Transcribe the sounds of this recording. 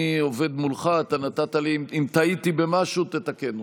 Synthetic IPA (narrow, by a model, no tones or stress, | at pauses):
io̞ve̞d̪mulχat̪anat̪at̪aliimt̪ait̪ibe̞maʃut̪et̪ake̞n